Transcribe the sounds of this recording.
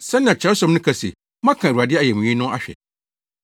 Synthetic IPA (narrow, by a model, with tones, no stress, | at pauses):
sɛ̃˦nɪ̃˦˨ã˨t͡ɕʰɛ˨˦sɔ̃˨˦mnʊ̃˦kʰa˨sḛ˨ | mã˦kʰã˨ɾa˨dɪ˦ɛ˦a˨jɛ˨mũ˨ɲĩ˦nʊ̃˦a̰˦ɕᶣɛ̰˨